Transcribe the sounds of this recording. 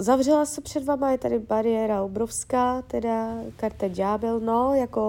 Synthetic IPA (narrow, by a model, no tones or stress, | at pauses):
zavrɛlasɛpr̥ɛdvaːmajɛt̪adɪbaɾɪɛːɾaobɾofskaːt̪ɛdakaɾt̪ɛd͡ʒaːbɪlno̞jako